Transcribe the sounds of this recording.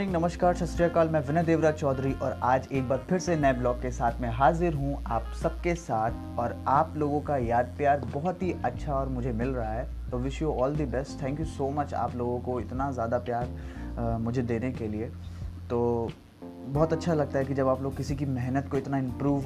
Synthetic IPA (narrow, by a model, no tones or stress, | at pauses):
nɪ̃ŋɡnɐməʃkaːɾsɐsɾijakaːlmɛ̃ːʋɪnəd̪eːʋɾat͡ʃɔːd̪ɾiʔɔːɾaːd͡ʒeːk̚baːɾpʰɪɾsenɐeblɔːkːesaːt̪ʰmẽɦaːzɪɾɦũaːpsɐb̚kesaːt̪ʰ | ɔːɾaːploːɡõkajaːd̪̚pjaːɾbɔɦɔt̪ɦiʔɐtːʃʰaɔːɾmʊd͡ʒʱemɪlɾɐɦaɦɛ | t̪oʋɪʃjoɔːld̪ibɛsʈt̪ʰɛ̃ːŋkjusoːmɐt͡ʃa̰ːploːɡõkoɪt̪nazjaːd̪apjaːɾ | mʊd͡ʒʱed̪eːnekelie | t̪oː | bɔɦt̪ɐtːʃʰalɐɡ̚t̪aɦɛk̬id͡ʒɐbaːploːɡ̚kɪsikimɛɦnət̪̚koɪt̪naɪ̃mpɾuːʋ